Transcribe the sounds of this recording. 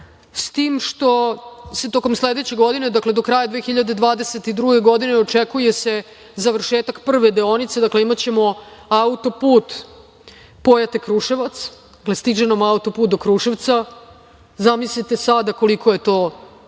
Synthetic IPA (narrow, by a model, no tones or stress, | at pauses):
st̪iːmʃt̪o̞se̞t̪o̞ko̞msled̪et͡ɕe̞ɡo̞d̪ine̞d̪akled̪o̞kɾaːjad̪ʋeːxiʎad̪e̞d̪ʋaːd̪ese̞t̪id̪ɾuɡe̞ɡo̞d̪ineo̞t͡ʂekuje̞se̞ | zaʋr̩ʃeːt̪akpr̩ʋed̪eonit̪se̞d̪akle̞imat͡ɕe̞mo̞aut̪o̞puːt̪ | po̞jat̪ekɾuːʂeʋat̪sd̪aklest̪id͡ʒenomaut̪opuːt̪̚d̪okɾuʂeʋt̪sa | zamislit̪e̞sad̪ako̞likʰo̞je̞t̪o̞ː